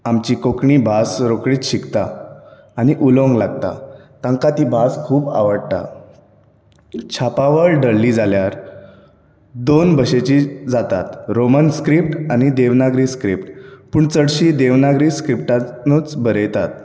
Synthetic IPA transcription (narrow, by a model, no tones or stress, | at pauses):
amt͡ɕiːkokɳiːbʱasɾokɽiːt̪ɕikt̪a | aɽ̃iʔulõŋɡlaɡ̚t̪a̰t̪ãŋkat̪iːbʱaskʰuːba̰ʋəɽt̪a̰ | t͡ɕʰapaʋəɭɖəɽliːd͡zaljaɾ | d̪onbəɕet͡ɕiːd͡zat̪a̰t̪ɾomənskɾip̚ʈañid̪eʋnaɡɾiːskɾipʈpuːɳt͡səɽɕiːd̪eʋnaɡɾiːskɾipʈanuːt͡sbʱəɾəjt̪at̪̚